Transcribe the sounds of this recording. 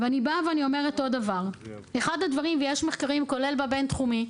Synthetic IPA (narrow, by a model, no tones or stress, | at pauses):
veanibaveanio̞me̞ʁeto̞d̪avaʁ | e̞χadhadvaʁimvejeʃme̞χkaʁimko̞le̞lbabe̞nt̪χumi